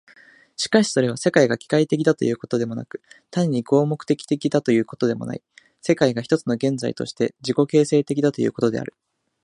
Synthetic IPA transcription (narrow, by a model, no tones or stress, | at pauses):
ɕi̥kaɕi̥so̞ɾe̞β̞ase̞kaiɡakʲi̥kait̪e̞kʲid̪at̪o̞jɯ̟ːko̞t̪o̞d̪e̞mo̞na̰kɯ̟̥t̪aɲ̟ːiɡo̞ːmo̞kɯ̟̥t̪e̞kʲi̥t̪e̞kʲid̪at̪o̞jɯ̟ːko̞t̪o̞d̪e̞mo̞̰na̰i | se̞kaiɡaçi̥t̪o̞t͡sɨno̞ɡẽ̞nd͡za̰ḭt̪o̞̰ɕi̥t̪e̞d͡ʑiko̞ke̞ːse̞ːt̪e̞kʲid̪at̪o̞jɯ̟̰ːko̞t̪o̞d̪e̞̰a̰ɾɯ̟